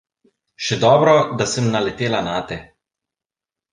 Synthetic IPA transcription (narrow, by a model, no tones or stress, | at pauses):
ʃɛd̪ɔːbɾɔd̪asəmnalɛt̪eːlanaːt̪ɛ